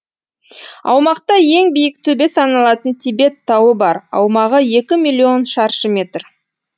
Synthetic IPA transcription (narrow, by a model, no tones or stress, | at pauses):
ɑ̰wmɑqt̪ɑje̞ŋbijɪk̚t̪ʰɵbe̞sɑnɑlˠɑt̪ənt̪ʰibe̞t̪ʰːɑwəbɑɾɑ̰wmɑʁəje̞kʲɪmʲilʲːio̞nʃɑɾʃəme̞t̪r